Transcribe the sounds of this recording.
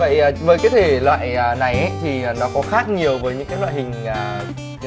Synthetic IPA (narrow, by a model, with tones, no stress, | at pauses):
və̰˧˨jːvəː˨˩jkaː˨˦jt̪ʰe˨˩lwa̰ː˧˨jaː˨˩na˨˩jʔə˨˦jt̪ʰi˨˩aː˨˩nɔ˨˦kɔ˨˦xaː˦˥k̚ɲi˨˩əwvəː˨˦jɲɨ̰˧˥ŋkaː˨˦jlwa̰ː˧˨jhï˨˩ŋ̟aː˨˩